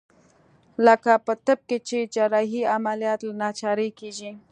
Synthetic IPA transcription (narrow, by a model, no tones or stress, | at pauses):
ləkapət̪əb̚ket͡ʃed͡ʒɑɾɑɦiamalijɑt̪lanɑt͡ʃɑɾəkeʒi